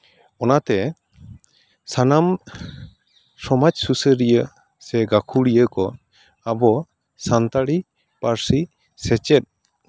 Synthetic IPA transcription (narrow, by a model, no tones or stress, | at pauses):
ɔnat̪ɛ | sanam | sɔmad͡ʒsusəɾijə | sɛɡakʰuɽijəkɔ | abɔ | sant̪aɽi | paɾsi | sɛt͡ʃɛt̪̚